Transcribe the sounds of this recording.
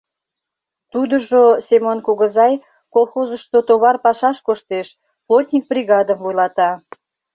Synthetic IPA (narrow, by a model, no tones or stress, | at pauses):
t̪ud̪əʒosemonkuɣəzɑj | kolˠxozəʃt̪ot̪oβɑrpɑʃɑʃkoʃt̪eʃ | plˠot̪ʲnʲik̚brʲiɣɑd̪əmvojlɑt̪ɑ